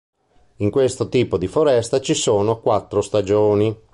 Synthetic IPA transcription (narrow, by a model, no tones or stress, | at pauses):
iŋkwest̪ot̪iːpod̪ifoɾɛst̪at͡ʃisoːnokwat̪ːɾost̪ad͡ʒoːni